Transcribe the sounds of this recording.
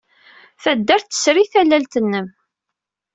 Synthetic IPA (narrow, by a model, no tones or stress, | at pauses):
θæd̪ːæɾθə̥sɾiθælːælt̪ənːəm